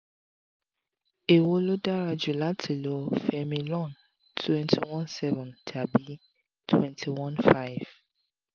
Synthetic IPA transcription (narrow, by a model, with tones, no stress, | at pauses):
e˨wo˦lo˦da˦ɹa˨d͡ʒu˨la˦tʰe˨lo˨fɛ˨mi˨lɔ̃˦˨n | tʰwɛ̃˦ntʰi˨wɔ̃˦nsɛ˦vɔ̃˨ntʰa˨bi˦ | tʰwɛ̃˦ntʰi˨wɔ̃˦nfa˦v̥